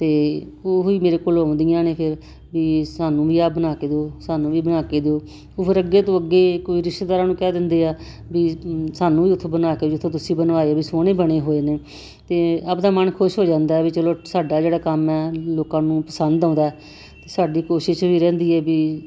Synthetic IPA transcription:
t̪eːoːɦiːmeːɾeːkoːlãːʊ̃nd̪ɪjãːneːpʰɪɾ | biːsaːnũːʋiːaːbənaːkeːd̪oːsaːnũːʋiːbənaːkeːd̪oː | oːpʰɪɾəɡːeːt̪õːəɡːeːkoːiːɾɪʃʈd̪aːɾaːnũːkɛːd̪ɪnd̪eːaː | bisaːnũːʋiːʊt̪ʰːoːbənaːkeːiɪt̪ʰːẽːt̪ʊsĩːbənʋaːeɛːbiːsoːneːbəɽ̃eːɦoːeːneː | t̪eːəpd̪aːmənkʰʊʃɦoːd͡ʒãːnd̪aːɛːbiːt͡ʃəloːsaːɖaːd͡ʒeːɽaːkəmɛːloːkãːnũːpəsənd̪ãːnd̪aːɛ | t̪eːsaːɖiːkoːʃɪʃʋiːɾɛ̃ːnd̪iːɛːbiː

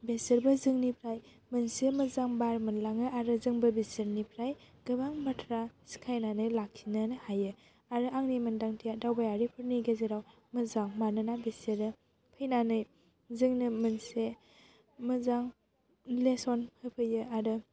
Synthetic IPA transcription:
besɯɾbɯzɯŋnipʰɾaj | mɯnsemɯzaŋbaɾmɯnlaŋɯʔaɾɯzɯŋbɯbesɯɾnipʰɾajɡ̥ɯbaŋbatʰɾasi̥kʰajnanɯjlakʰinɯnɯhajɯ | aɾɯʔaŋnimɯndaŋtʰijadawbajaɾipʰɯɾniɡezeɾaw | mɯzaŋmanɯnabeseɾɯ | pʰɯjnanɯj | zɯŋnɯmɯnse | mɯzaŋ | lesɔnhɯpʰɯjɯaɾɯ

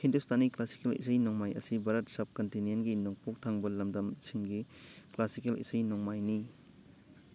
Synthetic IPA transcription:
hʰindustaniklasi̥kelḭsajnɔŋmajʔɐ̰sibaɾɐt̚sɐb̚kɐntinijenɡinɔŋpuk̚tʰaŋbɐlɐmdɐmsiŋɡiklasikelḭsajnɔŋmajni

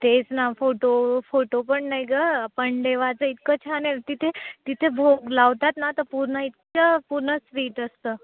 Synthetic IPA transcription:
t̪et͡snafoʈofoʈopəɳnajɡəapəɳd̪eʋat͡səit̪kət͡ɕʰanet̪it̪ʰet̪it̪ʰebʱoɡlaʋt̪at̪nat̪əpuɾnəit̪̚t͡ɕəpuɾnəsʋiːʈəst̪əː

